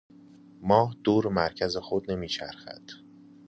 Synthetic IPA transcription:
mɒːhd̪̥uːɾemæɾcʰæzexod̪̚ne̞miːt͡ʃʰæ̰ɾxæ̰d̪̥

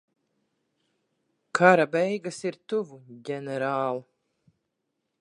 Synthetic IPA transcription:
kʰaɾabɛjɡasiɾt̪uvuɟʲɛnɛɾaːlˠu

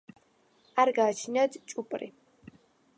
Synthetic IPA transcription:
arɡaːt͡ʃʰnɐdt͡ʃʼʊpʼɨrḭː

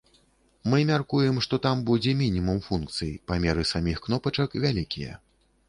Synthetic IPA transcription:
mɨmʲarkujɛmʂt̪ɔt̪ambud͡zʲɛmʲinʲimumfunkt̪sɨjipamʲɛɾɨsamʲixknɔpɐt͡ʂɐkvʲalʲikʲijɛ̰

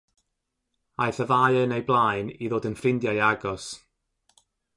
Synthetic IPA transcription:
ajθəvajənejblˠajniðoːdənfrɪndjajaɡɔs

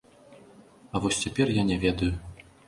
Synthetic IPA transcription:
ɐvɔsʲt͡sʲɛpʲɛrjanʲɛvʲɛd̪ɐju

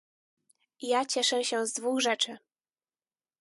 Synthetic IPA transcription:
jat͡ɕɛʂɛɕɛ̃zd̪vuxʐɛt͡ʂɘ

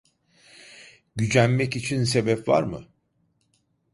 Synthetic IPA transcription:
ɟyd͡ʒænmɛcit͡ʃʰinse̞bɛpva̰ɾmɯ̰

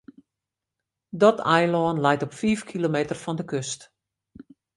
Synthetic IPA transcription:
dɔtʰɛjlɔːnlɛjtɔpfiːfkʰilomeːtərfɔndəkøst

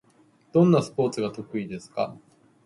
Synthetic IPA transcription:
d̪̥õ̞nːasɨ̥po̞ːt͡sɨɡat̪o̞kɯ̟id̪e̞sɨ̥ka

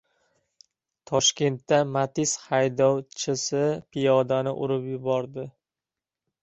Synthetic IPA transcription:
t̪ʰɒʃkʲe̞nt̪ːamat̪ʰɪshajd̪ɒwt͡ʃʰɪsɪpʰɪjɒd̪anɪʔʊɾɪpjʊbɒɾd̪ɪ

